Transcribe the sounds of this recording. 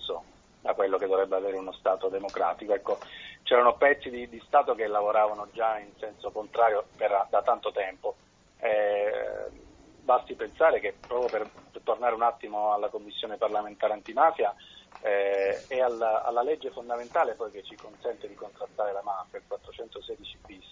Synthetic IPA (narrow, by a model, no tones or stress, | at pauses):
so | d̪akwelːoked̪ovɾɛbːeaveːɾeunost̪aːt̪od̪emokɾa̰ːt̪ikoɛkːot͡ʃɛːɾanopɛt̪sːid̪id̪ist̪aːt̪okelːavoɾaːvanod͡ʒainsɛnsokont̪ɾaːɾjoperd̪at̪ant̪ot̪ɛmpo | ɛ | balsipensaːɾekepːɾɔːpɾjoperpert̪ornaːɾeunat̪ːimoalːakomːisːjoːneparlament̪aːɾeant̪imaːfjaɛeala̰lːalɛd͡ʒːefond̪ament̪aːlepɔjket͡ʃːikonsɛnt̪ed̪ikont̪ɾast̪ːaːɾelamaːfjailkwat̪ːɾot͡ʃɛnt̪osɛːd̪it͡ʃibis